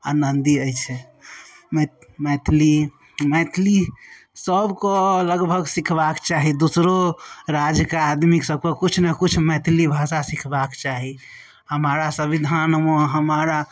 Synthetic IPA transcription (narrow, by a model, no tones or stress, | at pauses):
a̰nənd̪iəɦt͡ʃʰɛ | m | mɛt̪ʰli | mɛt̪ʰli | səbkoləɡbʱəɡsikʰbakt͡ʃaɦid̪usɾoɾad͡ʒkead̪miksəb̚kokut͡ʃʰnekut͡ʃʰmɛt̪ʰlibʱasasikʰbakt͡ʃaɦi | həmaɾasəbid̪ʱanmoɦəmaɾa